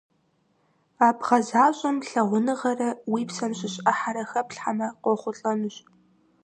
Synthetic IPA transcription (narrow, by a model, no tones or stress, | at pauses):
aːbʁɐzaːɕʼɐmɬɐʁʷʊnɨʁɐrɐwiːpsɐmɕɪɕʼɐħaɾɐxɐpɬħamɐqʷɔχʷʊɬʼɐnɨɕʼ